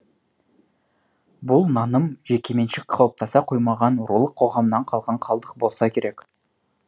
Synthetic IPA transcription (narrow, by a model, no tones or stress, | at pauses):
bʊlˠnɑnəmʒe̞kʲe̞me̞nʃɪkqʰɑwəp̚t̪ɑsɑqʰojmɑʁɑnwʊɾulˠəqʰːo̞ʁɑmnɑɴqʰɑlˠʁɑɴqʰɑlˠd̪əq̚bo̞lˠsɑkʲʰe̞ɾe̞k